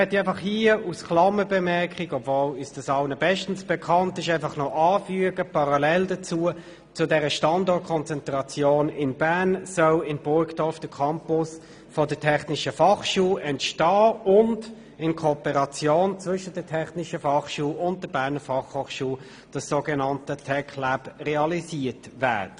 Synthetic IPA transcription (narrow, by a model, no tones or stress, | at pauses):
ɛtiaɪfɑχhiusklɑməbɛmɛkχiɡɔbvoːlyːsd̥ɑsɑʊnəbɛʃtən̩sb̥ɛkʰɑntɪʃaɪfɑχnɔʔɑːfyəɡəpʰɑʁɑlɛldət͡suːə | t͡sʊdɛʁəʃtɑndɔːt̚kʰɔnt͡sɛntʁɑt͡sjoːnɪnbæɐnsœʊɪnb̥ʊɹktɔfd̥əkʰɑmpʊs | fɔdətʰɛχnɪʃəfɑχʃuːʔɛntʃtɑːʊnd | ɪnkʰopəʁɑt͡sjoːnt͡svʏʃədətʰɛχnɪʃəfɑχʃuːʊnt̚d̥əbæːɐnəfɑχhoːχʃuː | d̥ɑsːoɡɛnɑntətʰɛkʰlæpʁɛɑlisiːtvæ̰ːtə